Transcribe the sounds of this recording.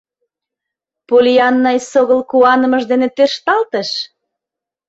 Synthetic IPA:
polʲiɑnːɑjsoɣəlkuɑnəməʒd̪enet̪erʃt̪ɑlt̪əʃ

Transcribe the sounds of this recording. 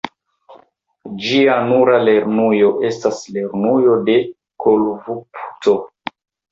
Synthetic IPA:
d͡ʒianuɾale̞ɾnujo̞ʔe̞stasle̞ɾnujo̞de̞ | kʰolvupu̥to̞

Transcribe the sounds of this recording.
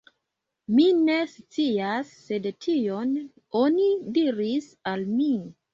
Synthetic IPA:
mine̞st͡siasːe̞dtʰio̞n | onidiɾisalmi

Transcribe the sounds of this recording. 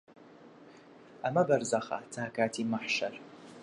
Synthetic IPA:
amabarzaχa̰tʰaːkʰaːtʰimaħʂar

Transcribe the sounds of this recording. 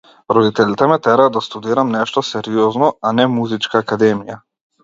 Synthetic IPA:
ɾɔd̪it̪ɛlʲit̪ɛmɛt̪ɛɾad̪ast̪ud̪iɾamnɛʃt̪ɔsɛɾiɔznɔanɛmuzit͡ʃkaːkad̪ɛmija

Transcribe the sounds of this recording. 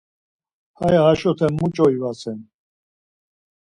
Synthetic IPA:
hajaaʃɔt̪ʰɛmːut͡ʃʼɔivasɛn

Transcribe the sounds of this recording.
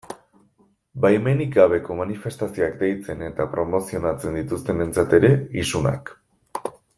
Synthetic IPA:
bajme̞niɡaβ̞e̞ko̞manife̞st̪asio̞akd̪e̞jt͡se̞ne̞t̪apɾo̞mo̞sio̞nat͡se̞nd̪it̪ust̪e̞me̞nt͡sat̪e̞ɾe̞isuna̰k

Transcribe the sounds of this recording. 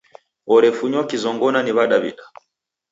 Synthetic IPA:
ɔɾɛfuɲɔkizɔŋɡɔnaniβaɗaβḭɗa

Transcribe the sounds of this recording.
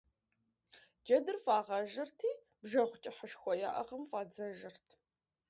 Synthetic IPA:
d͡ʒɐdɨrfaːʁɐʒɨrtʰiː | b̥ʒɐχʷʊt͡ʃʼɪħəʃxʷɔja̰ːʔɐ̰ʁɐmfaːd͡zɐʒɨrtʰ

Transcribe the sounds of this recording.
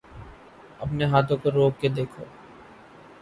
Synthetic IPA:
ɐpneɦaːt̪ʰõkoɾoːɡked̪eːkʰoː

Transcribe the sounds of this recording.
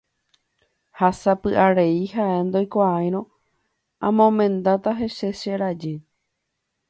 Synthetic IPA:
hasapɨʔaɾe̞ihaʔend̪ojkʷaajɾ̃õ | ãmõmẽ̞nd̪at̪aɦe̞ʃe̞ʃeɾad͡ʒe

